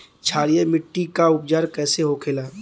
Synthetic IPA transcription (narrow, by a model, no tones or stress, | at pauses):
t͡ʃʰaːɾijemɪʈːikaʊp̚d͡ʒaːɾkɛːseɦoːkʰeːlaː